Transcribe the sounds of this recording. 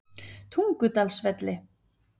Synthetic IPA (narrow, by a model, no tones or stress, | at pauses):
t̪ʰuŋkʏt̪alsvɛt̪lɪ